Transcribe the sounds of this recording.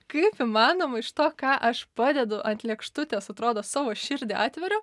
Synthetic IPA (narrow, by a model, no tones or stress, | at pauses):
kɐɪpɪmɑːnoːmɐɪʃt̪oːkɑːʔɐʃpɑːd̪ʲɛd̪ʊʔɐnt̪lʲɛkʃt̪ʊt̪ʲeːsɐt̪ɾoːd̪oːsɑːʋoːʃʲɪɾʲd̪ʲeɑ̰ːt̪ʲʋʲɛɾʲʊ